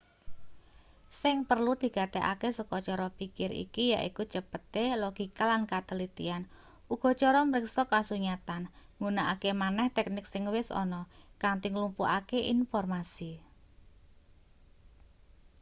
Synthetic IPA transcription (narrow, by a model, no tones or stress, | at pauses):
sɪŋpərlud̪̥i̤ɡ̥a̤t̪eʔa̰kesəkɔt͡ʃɔɾɔpikɪɾḭkija̰ʔiku̥t͡ʃəpət̪eloɡ̥ikalankat̪əlit̪ḭan | uɡ̥ɔ̤t͡ʃɔɾɔməɾɪksɔkasuɲat̪anŋunaʔakemanɛht̪ɛk̚nɪksɪŋwɪsɔ̰nɔkaŋt̪iŋlumpuʔakeʔinfɔrmasi